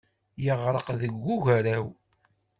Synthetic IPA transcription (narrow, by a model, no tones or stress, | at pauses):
jəʁɾˤəqðəɡːuʝæɾæw